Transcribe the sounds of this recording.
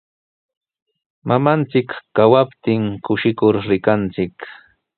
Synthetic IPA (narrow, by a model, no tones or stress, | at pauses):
mamant͡sɪkːawapt̪ɪŋkʊʃɪkʊɾɾɪkant͡sɪk